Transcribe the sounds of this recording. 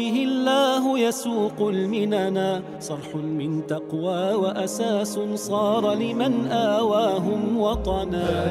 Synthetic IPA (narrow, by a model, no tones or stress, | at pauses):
ɪɦɪlːaːɦʊjasuːqʊlmɪnanaː | sˤɑɾˤħʊmɪnt̪ɑqwaːwaʔasaːsʊnsˤɑːɾˤɑlɪmanʔaːwaːɦʊmwɑt̪ˤɑnaː